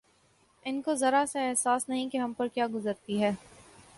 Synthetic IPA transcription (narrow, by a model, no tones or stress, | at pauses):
ɪnkozɐɾaseɛɦsaːsnɐɦĩkeɦɐmpɐɾkjaːɡʊzəɾt̪iɦɛː